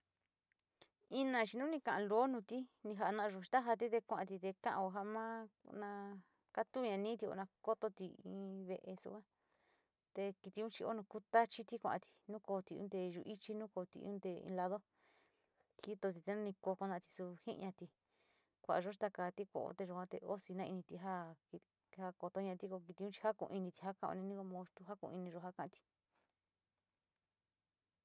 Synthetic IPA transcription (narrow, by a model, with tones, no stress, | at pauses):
i˦nã˧t͡ʃi˧nũ˦nĩ˧kã˧ʔã˧lo˨˦nũ˧t̪i˦nĩ˧ɦa˧nã˧ʔo˧˨ʃt̪a˦ɦa˧t̪̬i˦t̪e˧kʷã˧ʔã˧t̪i˧t̪e˧kã̰˦ʔã˧o˧ɦa˧ʔmã˦nã˧ | ka˦t̪u˦˧ɲã˧nĩ˦t̪i˧o̰˧˨nã˧ko˦t̪o˧t̪i˧ḭ̃ː˧βe˧ʔe˧sṵ˧˦a˦ | t̪e˧ki˧t̪i˧ũ˦t͡ʃi˧o̰˦nũ˧ku˧t̪a˦t͡ʃi˦t̪i˦kʷã̰˧ʔt̪i̥˧nũ˦ko˧t̪i˧ṵ̃˦d̪e˧ʒṵ˧ʔi˦t͡ʃi˦nũː˦ko˧t̪ḭ˧ṵ̃˦d̪e˧ḭ̃˧la˧ðo˦ | i˦t̪o˧t̪̬i˧t̪e˧nũ˦nĩ˧ko˧ko˧nã˧t̪i̥˧su˧hḭ̃˦ʔɲã˧t̪i˧ | kʷa˧ʔa˧ʒo˦˧t̪a˧ka˧t̪i˦kʷo̰˧ʔo̰˧t̪e˧ʒo˧kʷã˧˦t̪e˧o˦si˧nã˦˧i˧nĩ˧t̪i˧ɦa˦i˧ | ha˦ko˧t̪o˧˦ɲã˧t̪i˧ko˧k̬i˧i˧ũ˦t͡ʃi̥˧ha˦kṵ̃˧i˧nĩ˧t̪i̥˧ha˦kã˦˧o̰˧nĩ˧nĩ˦ko˧mõ˧t̪u˧ɦa˦kṵ̃˧i˧nĩ˧ʒo˧ɦa˦kã˧t̪i̥˧